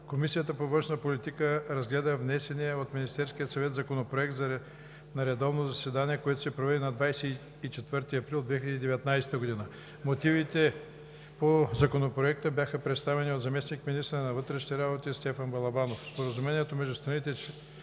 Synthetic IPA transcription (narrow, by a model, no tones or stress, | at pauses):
komisijət̪əpovɤ̃nʃnəpolit̪ikəɾɐzɡlɛd̪əvnɛsɛniɛot̪minist̪ɛɾskiət̪sɐvɛt̪zɐkonopɾoɛk̚t̪z | nɐɾɛd̪ɔvnozɐsɛd̪aniɛkoɛt̪o̥sɛpɾovɛd̪ɛnɐd̪vajsɛ | it͡ʃɛt̪vɤɾt̪iɐpɾilˠd̪vɛxilʲɛəd̪iːd̪ɛvɛt̪najsɛ̥t̪əɡod̪inə | mot̪ivit̪ɛ | pozɐkonopɾoɛk̚t̪əbjaxəpɾɛt̪st̪avɛniot̪zɐmɛsnikminist̪ɾɐnɐvɤt̪ɾɛʃniɾabot̪ist̪ɛfənbɐlˠɐbanofspoɾəzumɛniɛt̪omɛʒd̪ust̪ɾɐnit̪ɛ